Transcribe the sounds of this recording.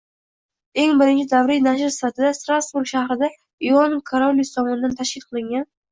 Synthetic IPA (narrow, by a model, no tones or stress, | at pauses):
e̞ŋbɪɾɪnt͡ʃʰɪd̪avɾijnaʃ̬ɪɾsɪ̥fat̪ʰɪd̪ast̪ɾasbuɾɡʃahɾɪd̪a | iɒnkʰaɾolːijsɒmɒnɪd̪ant̪ʰaʃkʲɪlqʰɨlˠɪŋɡʲan